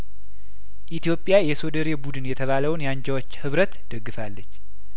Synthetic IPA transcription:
ʔit̪ijo̞pʼːɪjajɛso̞d̪əɾebud̪ɨnjɛt̪ʰəβaləwnjaɲd͡ʒawot͡ʃːhɨβɾət̪d̪̥əɡːɨfalːət͡ʃː

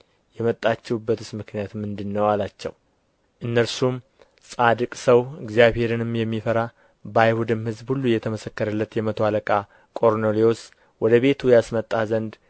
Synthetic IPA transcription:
jɛmət̪ʼːat͡ʃːɛwbːət̪usmɨknijat̪mɨnd̪ɨnːəwalat͡ʃːɛ̰w | ʔɨnːəɾsum | sʼad̪ɨkʼsəwɨɡzijaβhe̞ɾɨnɨmjɛmːifəɾa | bajhud̪ɨmhɨzbhulːujːɛt̪ʰəməsəkːəɾəlːət̪jɛmət̪ʰoaləkʼa | kʼo̞ɾnoleos | wɔd̪əβe̞t̪ʰujasmət̪ʼːazənd̪

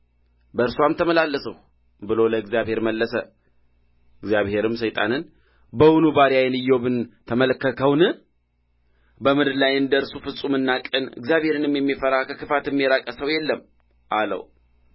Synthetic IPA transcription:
bəɾsuamt̪ʰəməlalːəsəh | bɨlo̞ləɨɡzjaβhe̞ɾməlːəsə | ɨɡzjaβhe̞ɾɨmsəjt̪ʼa̰nɨn | bəwʊnubaɾijajnɨjːobɨnt̪ʰəmələkːəkʰəwnɨ | bəmɨd̪lajɨnd̪əɨɾsufɨsʼumɨnːakʼɨnɨ̰ɡzjaβhe̞ɾɨnɨmjɛmːifəɾakʰəkɨfat̪ɨmːijeɾakʼəsəwjɛlːəm | ʔalə̰w

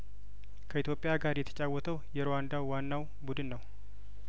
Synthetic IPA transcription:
kʰəʔit̪ʰjo̞pʼɪjaɡaɾjɛt̪ʰə̥t͡ʃʼawːɔt̪ʰəwjɛɾowand̪awːanːaw | bud̪ɨnːəw

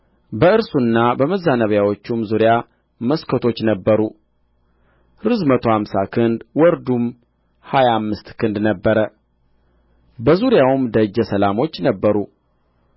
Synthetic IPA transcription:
bəɨɾsunːabəməzːanəβjawo̞t͡ʃːumzuɾja | məskʰət̪ʰo̞t͡ʃːnəbːəɾu | ɾɨzmət̪ʰo̞hamsakʰɨnd̪wɔɾd̪um | hajaːmːɨst̪kʰɨnd̪nəbːəɾə | bəzuɾjawɨmd̪əd͡ʒəsəlamo̞t͡ʃːnəbːəɾu

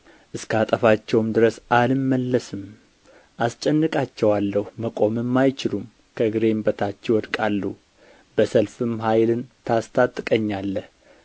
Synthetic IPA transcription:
ʔɨskʰəat̪ʼəfat͡ʃːɛwmd̪ɨɾəsalɨmːəlːəsɨm | ʔast͡ʃʼɛnːɨkʼat͡ʃːɛwalːəhuməkʼo̞mɨmːajt͡ʃɪlum | kʰəɨɡɨɾe̞mbət̪ʰat͡ʃːɛwɔd̪kʼalːu | b̥əsəlfɨmɦajlɨnt̪ʰast̪ʰat̪ʼːɨkʼəɲːalːəh

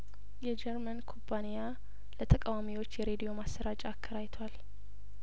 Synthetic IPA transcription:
jɛd͡ʒɛɾmənkʰompʰːanija | lət̪ʰəkʼawamiwo̞t͡ʃːjɛɾe̞d̪ijo̞masːəɾat͡ʃʼakʰːəɾajt̪ʰwal

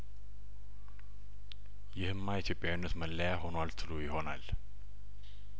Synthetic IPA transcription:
jɪhɨmːait̪ʰjo̞pʼjawinːət̪məlːəjaho̞nwalt̪ʰɨlujɪho̞na̰l

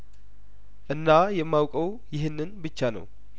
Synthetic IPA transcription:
ʔɨnːajɛmːawkʼəw | jɪɦɪnːɨnbɨt͡ʃːanə̰w

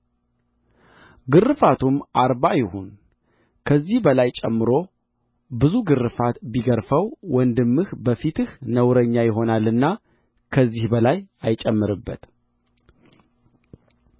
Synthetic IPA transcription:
ɡɨrːɨfat̪ʰumʔaɾbajɪhun | kʰəzːihbəlajt͡ʃʼɛmːɨɾo̞ | bɨzuɡɨrːɨfat̪biɡəɾfəwwɔnd̪ɨmːɨhbəfit̪ɨhnəwɾəɲːajɪɦo̞nalːɨnːa | kʰəzːihbəlajajt͡ʃʼɛmːɨɾɨbːət̪

